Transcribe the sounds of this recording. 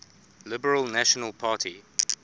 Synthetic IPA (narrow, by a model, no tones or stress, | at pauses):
lɪbəɹəlˠnæʃənəlˠpʰaːtʰi